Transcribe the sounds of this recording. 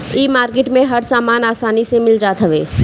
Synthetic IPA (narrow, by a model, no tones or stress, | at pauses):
imaːɾkeʈmẽɦəɾsaːmaːnaːsaːnisemɪld͡ʒaːt̪ɦəʋḛː